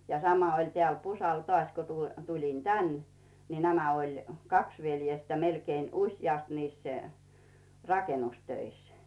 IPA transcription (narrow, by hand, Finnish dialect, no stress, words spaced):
jɑ sɑmɑ olʲ tĕæˑl pusɑl tŏɑˑsʲ ku tulʲ tulʲin tæn ni næmæ olʲ kɑks ʋeljestæ melkeːn usjɑˑst niːs rɑkenustøis